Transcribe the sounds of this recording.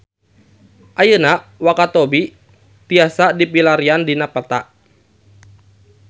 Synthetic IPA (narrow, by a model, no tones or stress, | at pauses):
ʔajənawakat̪ɔbi | t̪iasadipilaɾiandinapərt̪aʔ